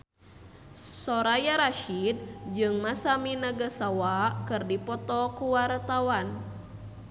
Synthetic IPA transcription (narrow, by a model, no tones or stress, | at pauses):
sɔɾajaɾaʃid̚d͡ʒɨŋmasaminaɡasawakɨrdipɔt̪ɔkuwart̪awan